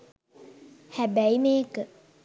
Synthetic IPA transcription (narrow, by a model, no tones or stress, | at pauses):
hæbæimeːkə